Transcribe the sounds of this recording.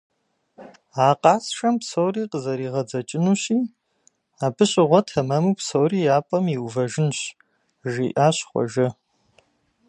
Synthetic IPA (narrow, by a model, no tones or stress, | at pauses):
aːqʼɑːsʂɐmpsowriːqəzɐɾiːʁɐd͡zɐt͡ʃʼɪnuːɕiː | aːbɨɕʼɪʁʷɔtʰɐmɐmupsowriːjaːpʼɐmiwvɐʒɪnɕ | ʒiːʔaːɕχʷɔ̰ʒɐ